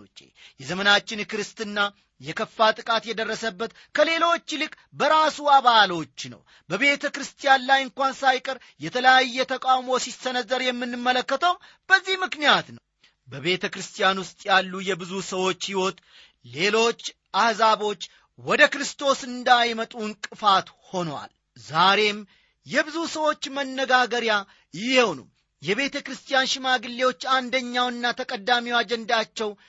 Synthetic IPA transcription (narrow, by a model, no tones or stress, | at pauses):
t͡ʃːʼḛjɛzəmənat͡ʃːɪnkɾɨst̪ɨnːa | jɛkʰəfːat̪ʼɨkʼat̪jɛd̪ərːəsəbːət̪ | kʰəle̞lo̞t͡ʃːlɨkʼ | bəɾasuaβalo̞t͡ʃːnə̰w | bəβe̞t̪ʰəkɾɨst̪ʰʼijanlajɨŋkʷansajkʼəɾ | jɛt̪ʰələjajːɛt̪ʰəkʼawmo̞sisənəzːəɾjɛmːɨnːɨmːələkːət̪ʰəwm | b̥əzːihmɨknijat̪nə | bəβe̞t̪ʰəkɾɨst̪ʰʼijanwʊst̪ʼjalːujɛbɨzusəwo̞t͡ʃːhiwo̞t̪ | le̞lo̞t͡ʃː | ʔahzaβo̞t͡ʃː | wɔd̪əkɾɨst̪ʰo̞sɨnd̪ajmət̪ʼunkʼɨfat̪ho̞nwa̰l | zaɾe̞m | jɛbɨzusəwo̞t͡ʃːmənːəɡaɡəɾja | jɪhewnṵm | jɛβe̞t̪ʰəkɾɨst̪ʰʼijanʃɪmaɡɨlːe̞wo̞t͡ʃːand̪əɲːawɨnːat̪ʰəkʼəd̪ːamiwad͡ʒɛnd̪at͡ʃːɛw